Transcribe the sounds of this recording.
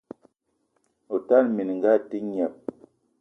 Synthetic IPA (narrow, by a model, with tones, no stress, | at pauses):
o˨ta˦˨nmi˨n˨ŋ˨ɡa˦˨ti˦ɲ˨a˨p̚